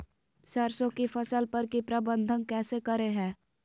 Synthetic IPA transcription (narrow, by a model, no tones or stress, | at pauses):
sɐɾsõkifɐsəlpɐɾkipɾɐbə̃nd̪ʱənkɛːsekɐɾeɦɛ̃ː